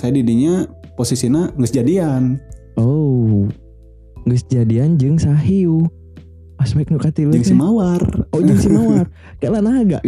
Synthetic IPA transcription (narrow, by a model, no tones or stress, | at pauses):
sajadidiɲaposisinaŋɡəsd͡ʒadian | ʔo | ŋɡəsd͡ʒadiand͡ʒɨŋsaɦiu | asmɛk̚nukat̪ild͡ʒɨŋsimawarod͡ʒɨŋsimawar | kalanaɡa̰ʔ